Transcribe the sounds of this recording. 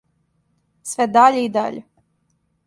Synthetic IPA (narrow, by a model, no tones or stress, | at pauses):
sʋed̪aʎeid̪a̰ʎe